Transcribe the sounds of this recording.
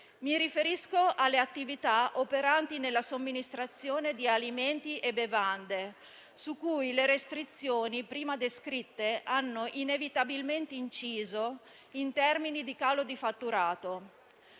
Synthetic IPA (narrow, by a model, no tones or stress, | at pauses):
miɾifeɾiskoʔalːeat̪ːivit̪aopeɾant̪inelːasomːinist̪ɾat̪sːjoːned̪ialiment̪iʔebevand̪e | sukːujleɾest̪ɾit̪sːjoːnipɾiːmad̪eskɾit̪ːeanːoʔinevit̪abilment̪eint͡ʃiːzo | int̪ɛrminid̪ikaːlod̪ifat̪ːuɾaːt̪o